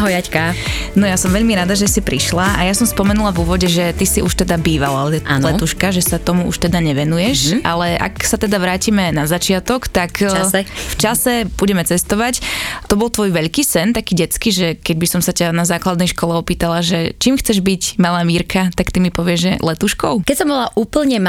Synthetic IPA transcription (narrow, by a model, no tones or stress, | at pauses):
ɦɔjacka | nɔjasɔmʋɛʎmiɾad̪aʒɛsipɾiʃlaʔajasɔmspɔmɛnulavuːʋɔɟɛʒɛt̪isiʔuʃt̪ɛd̪abiːʋalaɛlɛt̪uʃkaʒɛsat̪ɔmuʔṵʃt̪ɛd̪aɲɛʋɛnujɛʃʔa̰lɛʔa̰ksat̪ɛd̪aʋɾaːcimɛnazat͡ʃɪat̪ɔkt̪akaft͡ʃasɛb̥uɟɛmɛt͡sɛst̪ɔʋact̪ɔbɔlˠt̪ʋɔjʋɛʎkiːsɛnt̪akiːɟɛt͡skiːʒɛkɛɟ̚bisɔmsacanazaːklad̪nɛjʃkɔlɛɔpiːt̪alaʒɛt͡ʃiːmxt͡sɛʒbicmalaːmiːɾkat̪akt̪imipɔʋɪɛʒʒɛlɛt̪uʃkɔʊkɛcsɔmbɔlaʔuːpl̩ɲɛm